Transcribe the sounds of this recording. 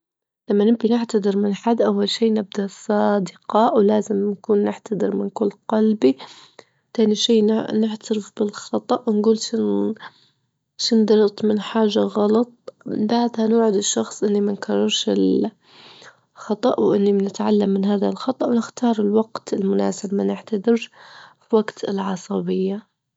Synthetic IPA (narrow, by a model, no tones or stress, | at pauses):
lamːanɪmkinɪʕt̪ad̪ˤɨɾmɪnħad̪ːʔawːalʃiːʔnɪb̚d̪asˤɑːd̪ɪqɑwlaːzɪmnakuːnːɪʕt̪ad̪ˤɨɾmɪnkʊlːqɑlbi | t̪aːniʃiːnnɪħt̪ʰaɾɪfbɪlxɑt̪ˤɑʔwnɡuːlʃɪn | ʃɪnd̪ɑɾˤt̪ˤmɪnħaːʒːaɣɑlɑt̪ˤbaʕd̪hanʊːʕɪd̪ɪʃːɑxsˤʔɪnːimankʰɑrˤːɑɾˤʃɪ̰l | xɑt̪ˤɑʔwʔɪnːimnɪt̪ʕalːamːɪnɦaːðalxɑt̪ˤɑʔwnɪxt̪ʰɑːɾˤɪlwɑɡt̪ɪlmʊna̰ːsɪbmanɪħt̪ad̪ɪɾʃfiwaɡt̪ɪlʕɑsˤɑbɪjːa